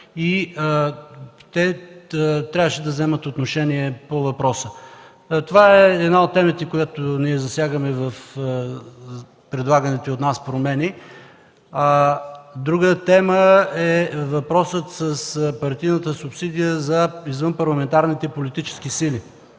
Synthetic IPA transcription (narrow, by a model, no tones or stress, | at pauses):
i | t̪ɛ | t̪ɾʲavəʃɛd̪ɐvzɛmət̪ot̪noʃɛniɛpovɐpɾɔsə | t̪ovaɛːd̪naot̪̚ːɛmət̪ɛkojat̪oniɛzɐsjaɡəmɛvɐf | pɾɛd̪lˠaɡənit̪ɛot̪naspɾomɛni | d̪ɾuɡət̪ɛməɛvɐpɾɔsət̪səspɐɾt̪ijnət̪əsʊpsid̪ijəzɐizvənpɐɾlˠɐmɛnt̪aɾnit̪ɛpolit̪it͡ʃɛ̥sk̟isili